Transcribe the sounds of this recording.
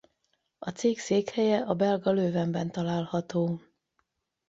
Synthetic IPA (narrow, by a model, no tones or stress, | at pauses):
ɒt̪seːkseːkhɛjɛɒbɛlɡɒløːvɛmbɛn̪t̪ɒlaːlhɒt̪oː